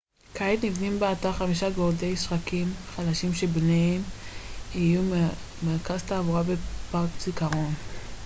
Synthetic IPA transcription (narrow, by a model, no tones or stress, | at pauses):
kʰaet̪nivnimbeataʁχamiʃaɡoʁdejisʁakimχalaʃimʃebneem | iju | meʁkast̪aːvuʁabepaʁkt͡sikaʁo̞n